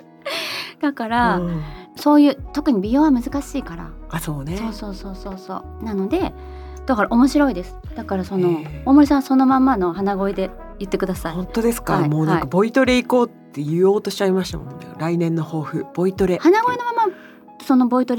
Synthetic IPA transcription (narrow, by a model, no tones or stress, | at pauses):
d̪̥akaɾa | so̞ːjɯ̟ːt̪o̞kɯ̟ɲ̟ibʲijo̞ːβamɯ̟zɨkaɕiːkaɾa̰aso̞ːneso̞ːso̞ːso̞ːso̞ːso̞ː | nano̞d̪e̞ | d̪̥akaɾaʔo̞mo̞ɕiɾo̞id̪e̞sɨ̥d̪̥akaɾaso̞no̞oːmo̞ɾʲis̬ãaso̞no̞mãmːano̞ɦanaɡo̞ed̪e̞ | jɯ̟t̪ːe̞kɯ̟d̪asaiõnt̪o̞d̪e̞sɨ̥kamoːnãaikabo̞it̪o̞ɾe̞iko̞ːt̪ːe̞jɯ̟o̞ːt̪o̞ɕi̥t͡ɕaimaɕi̥t̪a̰mo̰naɾainẽ̞nːo̞ho̞ːɸɯ̟b̥o̞it̪o̞ɾe̞hanaɡoeno̞mama | so̞no̞bo̞it̪o̞ɾe